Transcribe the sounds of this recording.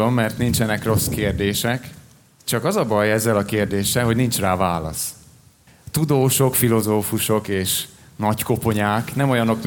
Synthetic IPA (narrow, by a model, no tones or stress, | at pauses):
o̞mːɛrt̪nint͡ʃɛnɛkro̞skeːrd̪eːʃɛk | t͡ʃɒkɒzɒbɒjɛzːɛlɒkeːrd̪eːʃɛlɦo̞ɟnint͡ʃraːvaːlɒ̰s | t̪ud̪oːʃo̞kfilo̞zoːfuʃo̞keːʃnɒcko̞po̞ɲaːknɛmo̞jɒno̞km